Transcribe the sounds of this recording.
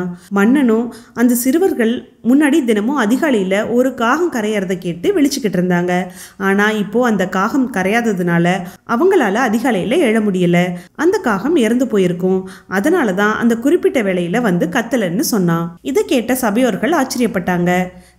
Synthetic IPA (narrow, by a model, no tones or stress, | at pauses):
mɐnːɐnʊ̃ɐnd̪ɐsɪɾɯʋɐɾɣɐɭmʊnːaːɽid̪ɪnɐmʊ̃ɐðɪɣaːlɐjɪlɐʔɔɾɯkaːɣɐmkɐɾɐjaːɾɐðɐkeːʈːɯʋɪɭɪt͡ʃːɯkːɪʈːɪɾɯnd̪aːŋɡɐaːnaːɪpːoːɐnd̪ɐkaːɣɐmkɐɾɐjaːðɐðɯnaːlɐʔɐʋɐŋɡɐɭaːlɐːðɪɣaːlɐjɪlɐɛɽɐmʊɽɪjɐlːɐʔɐnd̪ɐkaːɣɐmɛɾɐnd̪ɯpoːjɪɾɯkːʊ̃ | ɐðɐnaːlɐt̪ãːʔɐ̰nd̪ɐkʊɾɪpːɪʈːɐʋeːɭɐjɪlɐʋɐnd̪ɯkɐt̪ːɐlɐnːɯsɔnːãːɪðɐkeːʈːɐsɐbɐjoːɾɣɐɭaːt͡ʃːɪɾɪjɐpːɐʈːaːŋɡɐ